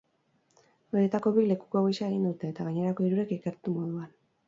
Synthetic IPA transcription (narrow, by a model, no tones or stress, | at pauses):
be̞ɾe̞t̪ako̞βile̞ku̥ko̞ɣojsaeɣind̪ut̪e̞ːt̪aɣaɲe̞ɾako̞iɾuɾe̞keke̞ɾt̪umo̞ð̞uan